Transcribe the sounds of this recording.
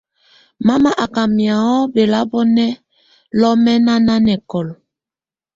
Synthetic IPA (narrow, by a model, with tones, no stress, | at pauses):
ma˦ma˦ʔa˨ka˨mja˨ɔ˦be˨la˦bɔ˦nɛ˦ | lɔ˦mɛ˦na˦na˦nɛ˨kɔ˨l